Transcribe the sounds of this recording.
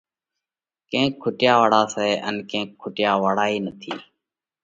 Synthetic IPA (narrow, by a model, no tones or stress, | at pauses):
kẽːkʰːʊʈɪjaːʋaːɽaːsɛːʔənkẽːkʰːʊʈjaːʋaːɽaːiːnət̪ʰiː